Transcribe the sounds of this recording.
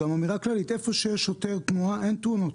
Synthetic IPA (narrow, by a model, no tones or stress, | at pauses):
amamiʁaklalit̪ʔefoʃejɛʃot̪eʁt̪muaʔent̪uno